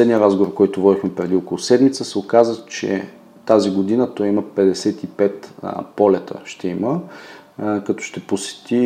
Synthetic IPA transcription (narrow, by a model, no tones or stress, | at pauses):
lɛd̪niəɾazɡovoɾkɔjt̪ʊvɔd̪ixmɛpɾɛd̪iɔkolˠʊsɛd̪mit̪səsɛokazət͡ʃɛ̰ | t̪aziɡod̪inət̪ɔjiməpɛd̪ɛsɛt̪ipɛt̪pɔlɛt̪ʰə̰ʃt̪ɛimə | kɐt̪ɔ̥ʃt̪ɛposɛ̥t̪i